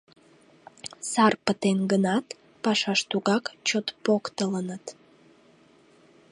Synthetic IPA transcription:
sɑrpət̪enɡənɑt̪ | pɑʃɑʃt̪uɣɑkt͡ɕot̪pokt̪ələnət̪

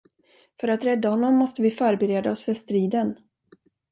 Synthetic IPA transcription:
fœɾat̪ɾɛd̪ːahɔnːɔmːɔst̪əvɪfœːɾbɛɾeːd̪aɔsfœʂt̪ɾiːd̪ən

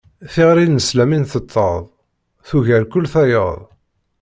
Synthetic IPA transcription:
θiʁɾinːəslæminθət̪ˤːəðˤ | θuʝæɾkʊlːθæjə̰ðˤ

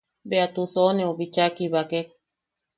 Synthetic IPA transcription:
beat̪usoneoβit͡ʃakiβakek

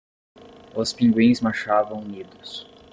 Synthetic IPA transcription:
ʊspĩŋɡwĩj̃zmaʃavɐ̃w̃nid̪ʊs

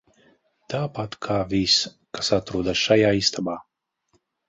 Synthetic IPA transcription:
t̪aːpat̪kʰaːvis | kasat̪ɾuːd̪asʃajaːist̪ʰabaː

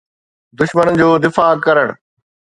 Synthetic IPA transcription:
d̪ʊʃmənəd͡ʑoːd̪ɪfaːkɐɾəɽ̃

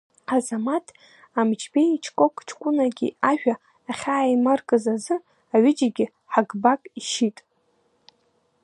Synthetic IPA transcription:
azamatʰ | amd͡ʒbeit͡ʃʰkʼokʰʼt͡ʃʰkʷʼʊnaɡʲḭaʒᶣaː | χʲaːimarkʼɨzazɨ | aɥɪd͡ʒaɡʲɪ | ħaɡbakʼiʃitʼ

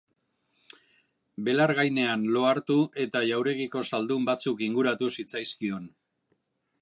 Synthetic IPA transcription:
be̞laɾɣajne̞anlo̞aɾt̪ue̞t̪aʝawɾe̞ɣiko̞sald̪umbat͡sukiŋɡuɾat̪usit͡sajskio̞n

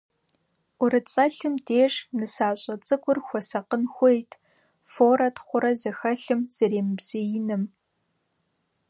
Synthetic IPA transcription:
ʔʷʊɾɨt͡sʼɐɬɨmdeːʂnɨsaːɕʼɐt͡sʼɨkʷʊrxʷɔsɐqənxʷejtʰ | foːɾɐtχʷʊɾɐzɐxɐɬɨmz̥ɐɾeːmɨbz̥ɨjɪnɨm

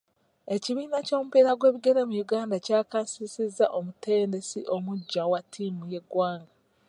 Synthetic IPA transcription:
e̞ciβiːnaco̞ːmupiɾaɡwe̞ːβiɡe̞ɾemujuɡaːndacaːkaːnsisizːaʔo̞mute̞ːnde̞sḭʔo̞muɟːawatʰːiːmuje̞ɡwaːŋɡa

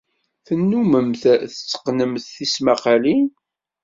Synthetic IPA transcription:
θənːuməmθθət͡sːə̥qnəmθθismaqalin

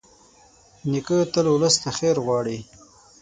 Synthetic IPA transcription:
nikət̪əlwʊləst̪axeɾɣwɑːɽi

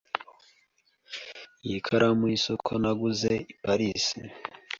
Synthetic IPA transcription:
jikʰaɾamwisokʰonaɡuzeipaɾisḭ

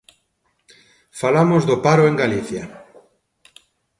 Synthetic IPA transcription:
falamozðopaɾoeŋɡaliθja

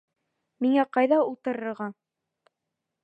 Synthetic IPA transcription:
miŋæqɑjðɑulˠt̪ɤ̆ɾɤ̆ɾʁɑ

